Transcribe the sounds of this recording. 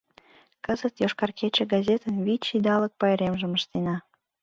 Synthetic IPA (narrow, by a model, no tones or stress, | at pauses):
kəzət̪joʃkɑrkʰet͡ɕĕɡɑzʲet̪ənβit͡ɕid̪ɑlək̚pɑjɾemʒə̆məʃt̪enɑ